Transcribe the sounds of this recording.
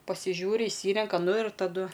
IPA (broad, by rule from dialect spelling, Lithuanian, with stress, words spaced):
pɐsʲɪˈʒʲuːrʲɪ ɪʃʲˈsʲiːrʲɛŋkɐ ˈnʊ ɪr tɐˈdʊ